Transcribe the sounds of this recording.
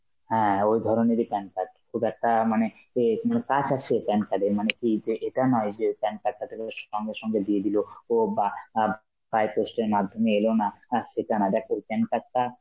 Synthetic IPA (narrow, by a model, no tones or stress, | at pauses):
ɦɛ̃ojd̪ʱɔɾoneɾipɛnkaʈ̚kʰubɛk̚ʈamane | emanekad͡ʑat͡ɕʰepɛnkaɖemanekid͡ʒeʔeʈanɔed͡ʑeojpɛnkaʈ̚ʈat̪ʰekeʃɔŋɡeʃɔŋɡed̪ied̪ilooba | pajpesʈeɾmad̪ʱomeelonaaʃeʈanad̪ɛkʰojpɛnkaʈ̚ːa